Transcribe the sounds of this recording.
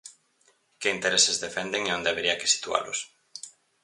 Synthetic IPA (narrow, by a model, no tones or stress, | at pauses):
kɪint̪eɾesezðefend̪eŋeond̪eaβeɾiake̥si̥t̪ua̰lʊ̰s